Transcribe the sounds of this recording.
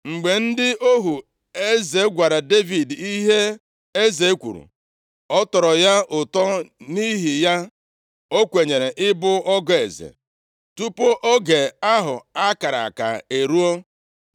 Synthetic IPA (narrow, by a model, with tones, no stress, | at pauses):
ŋ͡m̩˨ɡ͡be˨n̩˦dɪ˦ʔo˦ɦu˨ | e˦ze˨˦ɡʷa˨ɾa˨de˦vi˨di˦ɦe˦ | e˦ze˨e˦kʷṵ˨ɾṵ˨ | ɔ˦tɔ˨ɾɔ˨ja˦ʊ˨tɔ˦ni˦ɦi˨ja˦ | o˦kʷe˨ɲe˨ɾe˨ʔɪ˦bʊ˦ɔ˦ɡɔ˦e˨zḛ˨ | tu˦po˦ʔo˦ɡe˨a˦ɦʊ˨a˦ka˨ɾa̰˨a˨ka̰˨e˨ɾu˦o˦